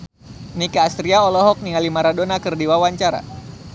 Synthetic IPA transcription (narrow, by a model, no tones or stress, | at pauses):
nikaːst̪ɾiaɔlɔɦɔk̚niŋalimaɾadonakɨrdiwawaɲt͡ʃaɾa̰